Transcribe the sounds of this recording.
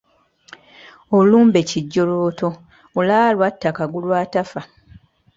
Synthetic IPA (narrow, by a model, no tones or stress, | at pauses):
oluːmbe̞ciɟːo̞loːto̞ː | lalwatːakaɡulwaːtafa